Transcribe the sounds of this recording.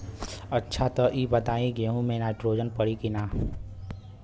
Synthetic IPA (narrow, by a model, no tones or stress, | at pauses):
ɐtːʃʰat̪ɔʔiːbɐt̪aːĩɡeɦũmẽnaːɪʈɾoːd͡ʒənpəɽikinaː